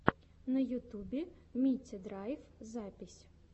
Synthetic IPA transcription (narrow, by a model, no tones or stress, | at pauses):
nɐjʊt̪ubʲimʲit͡sʲːɐd̪ɾɑjfzɑpʲisʲ